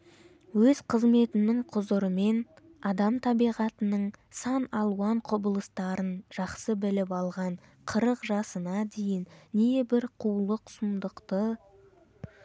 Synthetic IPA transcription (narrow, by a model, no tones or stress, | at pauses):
wɵzqʰəzme̞t̪ɪnɪŋqʰʊzʊɾəme̞n | ɑd̪ɑmt̪ʰɑbijʁɑt̪ənəɴsɑnɑlˠuɑɴqʰʊbəlˠəst̪ɑɾənʒ̥ɑqsəbɪlɪpɑlˠʁɑɴ | qʰəɾəqʒɑsənɑd̪e̞jɪnːebɪɾqʰulˠəqsʊmd̪əqt̪ə